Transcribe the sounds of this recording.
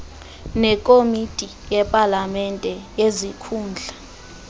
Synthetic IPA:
nɛkʼomitʼi | jɛpʼalamɛntʼɛjezikʰuːnd͡ɮʱa

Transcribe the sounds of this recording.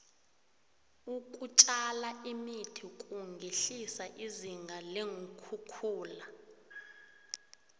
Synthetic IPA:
ukʼut͡ʃʼalaimitʰikʼuŋɡʱeɬisaʔiziŋɡʱaleŋukʰukʰuːla

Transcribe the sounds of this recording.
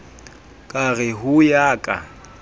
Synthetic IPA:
kʼarɪɦʊjaːkʼa̰

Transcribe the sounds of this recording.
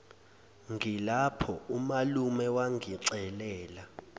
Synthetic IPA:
ŋʱilapʰɔumalumɛwaŋʱiǀɛlɛːla

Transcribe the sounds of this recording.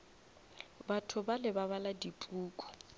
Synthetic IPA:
batʰʊbalɪbaβaladipʼuːkʼɔ̥

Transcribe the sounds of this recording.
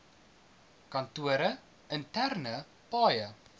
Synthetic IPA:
kɐntuəɾə | əntærnə | pɑːjə

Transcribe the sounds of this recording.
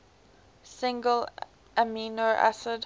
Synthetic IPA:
sɪ̃ŋɡəl | ʔəmiːnoʔæ̰səd

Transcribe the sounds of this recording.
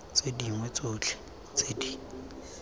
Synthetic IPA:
t͡sediŋwɛt͡soːt͡ɬʰɪ̥ | t͡sedi

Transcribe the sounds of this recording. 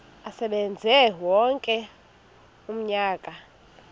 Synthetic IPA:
asɛɓɛnd͡zʱɛwɔŋkʼɛ | um̩ɲaːkʼa

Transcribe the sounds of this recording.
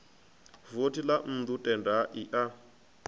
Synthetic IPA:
votilan̩d̪utʼɛndaʔiʔa

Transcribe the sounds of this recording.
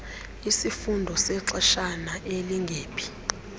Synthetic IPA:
isifundʱɔsɛǀɛʃanaʔeliŋɡʱeːpʰi̥

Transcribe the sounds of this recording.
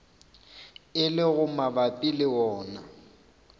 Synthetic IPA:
ɪlɪɣʊmabapʼilɪwɔːna

